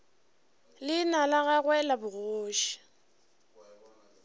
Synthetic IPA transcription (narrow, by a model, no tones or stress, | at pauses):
lɪnalaɣaɣwɛlabʊroːʃi̥